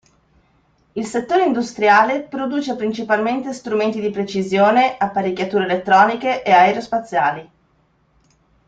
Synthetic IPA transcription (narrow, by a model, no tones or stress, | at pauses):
ilset̪ːoːɾeind̪ust̪ɾjaːlepɾod̪uːt͡ʃepɾint͡ʃipalment̪est̪ɾument̪id̪ipɾet͡ʃizjoːneʔapːaɾikːjat̪uːɾeːlet̪ːɾɔːnikeʔeaeɾeospat̪sːjaːli